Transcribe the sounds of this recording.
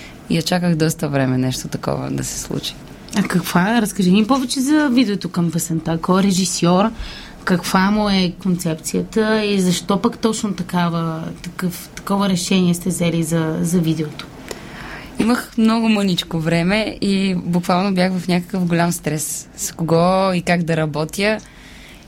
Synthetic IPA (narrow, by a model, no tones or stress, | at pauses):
iɐt͡ʃakəxd̪ɔst̪əvɾɛmɛnɛʃt̪ot̪ɐkɔ̰və̰d̪ɐ̰sɛ̥slˠṵt͡ʃi̥ | ɐkɐkv̥aɾəskɐʒinʲipɔvɛt͡ʃɛzɐvid̪ɛot̪okɐmvəsɛnt̪akɔɾɛʒisjɔɾ | kɐkv̥amoɛkont̪sɛpt̪sijət̪əizɐʃt̪ɔpakt̪ɔt͡ʃnot̪ɐkavət̪ɐkɤft̪ɐ̥kɔvəɾɛʃɛniɛst̪ɛvzɛlizɐzɐvid̪ɛot̪o̥ | iməxmnɔɡʊmɤnit͡ʃkovɾɛmɛibʊkvalˠnobjaxvɐfnʲakə̥kəfɡolʲamst̪ɾɛsskoɡɔikaɡd̪ɐɾɐbɔt̪jə